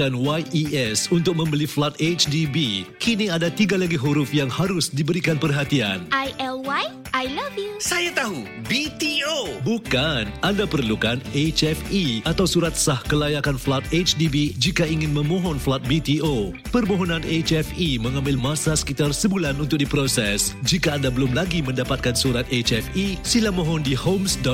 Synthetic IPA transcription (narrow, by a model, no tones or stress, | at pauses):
anwajʔiɛsunt̪ʊk̚mə̃mbəliflat̪̚et͡ʃdibikiniadat̪iɡalaɡiɦuɾʊfjaŋhaɾʊsdibəɾikanpərɦat̪ia̰nʔajʔɛlwaj | ʔajlavjusajat̪aɦu | bit̪iobukanadapərlukanet͡ʃɛfiat̪awsuɾat̪̚sahkəlajakanflat̪̚et͡ʃdibid͡ʒikaiŋɪnmə̃mɔ̃ɦɔnflat̪̚bit̪iʔo | pərmoɦɔnãnet͡ʃɛfimə̃ŋãmbɪlmãsasə̥kit̪arsəbulanunt̪ʊk̚dipɾosɛsd͡ʒikaːndabəlʊmlaɡimə̃ndapat̪̚kansuɾat̪̚et͡ʃɛfisilamɔɦɔndihomsdɔ